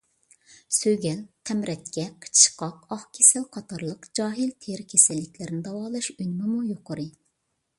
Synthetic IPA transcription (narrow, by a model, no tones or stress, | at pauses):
søɡʲɛlt̪ʰɛmɾɛt̪̚kʲɛqʰə̥t͡ʃʰʃqɑqɑχkʲʰesælqʰɑt̪ʰɑɾlˠəqd͡ʒɑːɦilt̪ʰeɾkʲʰesɪlːɪkʲʰlɪɾnɪd̪ɑwɑːlˠɑʃynmɪmujoqəɾɨ